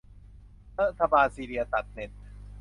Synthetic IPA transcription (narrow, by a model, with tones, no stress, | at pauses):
ɾa˦˥t̪ʰːa˧baː˧nsiː˧ɾi˧ɐt̪a˨˩t̪̚ne˨˩t̪̚